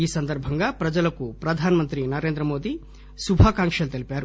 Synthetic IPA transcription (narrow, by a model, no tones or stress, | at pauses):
iːsɐnd̪ɐɾbʱɐŋɡaːpɾɐd͡ʒɐlɐkupɾɐd̪ʱaːnɐmɐnt̪ɾinɐɾe̞ːnd̪ɾɐmo̞ːd̪i | subʱaːkaːŋkʂɐlut̪elipʲaːɾu